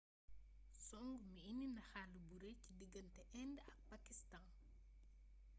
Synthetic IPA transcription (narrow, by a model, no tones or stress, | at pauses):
sɔŋɡmiininɐxaːlubuɾecidiɡəntɛʔɛndəɐk̚pakistan